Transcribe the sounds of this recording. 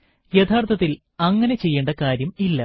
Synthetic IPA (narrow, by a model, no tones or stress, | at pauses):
jet̪ʰaːrt̪ʰɐt̪ːil | ɐŋːɐnet͡ɕe̞jːeːɳɖɐkaːɾjɐmilːɐ